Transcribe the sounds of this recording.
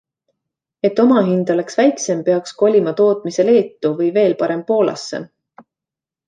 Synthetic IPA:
e̞t̪ːo̞mɑɦind̪̥o̞le̞ksvæjkse̞mpe̞ɑksko̞lʲimɑt̪o̞ːt̪ˑmise̞le̞ːt̪ːuvɤjve̞ːlpɑɾe̞mpo̞ːlɑ̰sːḛ

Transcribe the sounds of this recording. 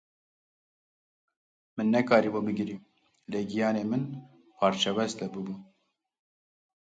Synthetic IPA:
mɨnːɛkɑːɾiːbobɨɡɨɾi | leːɡijɑːneːmɨn | pʰɑːɾt͡ʃʰɛvɛst̪ɛbɨbuː

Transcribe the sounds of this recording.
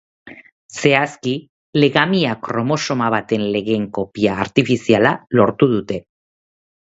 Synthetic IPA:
se̞aski | le̞ɣamiakɾo̞mo̞so̞maβ̞at̪e̞nle̞ɣe̞ŋko̞piaːɾt̪ifisialalo̞ɾt̪uðut̪e̞

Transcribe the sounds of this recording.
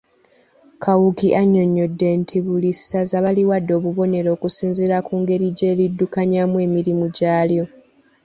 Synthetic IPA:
kʰawukiʔaɲːo̞ɲːo̞dːe̞ntʰiβulisazaβaliwadːo̞ːβuβo̞ne̞ɾo̞ːkusiːnziɾakuːŋɡe̞ɾiɟe̞ːlidːukaɲamwe̞ːmiɾimuɟaːljo̞

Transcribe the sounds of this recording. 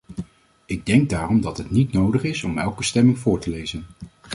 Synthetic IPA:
ɪɡ̚dɛŋɡ̚daːrɔmdɑtɦətnitnowdəχɪsɔmɛlˠkəstɛmɪŋvʊːɹtəlejzən

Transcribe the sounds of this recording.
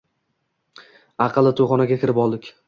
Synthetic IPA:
ɑqʰɨlˠɪt̪ʰoχɒnaɡʲakʲʰɪɾɪpɒlˠd̪ɪkʲ

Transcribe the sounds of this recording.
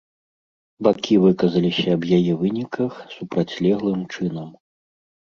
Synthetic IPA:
bakʲivɨkɐzɐlʲisʲɐːbjajɛvɨnʲikɐxsupɾat͡sʲlʲɛɣlˠɨmt͡ʂɨnɐm

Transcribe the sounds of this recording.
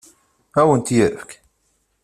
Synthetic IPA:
æwənt̪jəɾəfk

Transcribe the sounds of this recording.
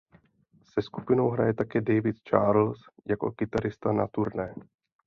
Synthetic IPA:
sɛsku̥pɪno̞wɦɾajɛt̪akɛːdɛjvɪt̪t͡ʃaːɾl̩sjako̞̰kɪt̪aɾɪst̪anat̪uɾnɛː

